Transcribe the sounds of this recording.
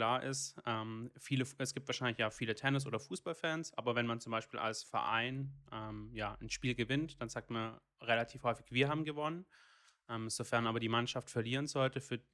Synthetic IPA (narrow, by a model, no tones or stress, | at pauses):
laːɐʔɪ̰stʔɛmfiːləʔɛsɡ̥iːp̚tv̥aɐʃaɪnlɪçjaːfiːlətʰɛnɪs̬ʔoːdɐfuːsb̥alfɛːnsʔa̰ːbɐvɛnmant͡sʊmbaɪʃpiːla̰lsfɛ̰ɐʔa̰ɪnʔɛːmjaːʔnʃpiːlɡəvɪntd̥anzaːk̚tman | ʁelatʰiːfhɔʏfɪçv̥iːɐɦaːbm̩ɡəvɔnən | ʔɛːmz̥ofɛɐnʔaːbɐdiːmanʃaftfɛɐliːʁ̞ənzɔltəfyːɐ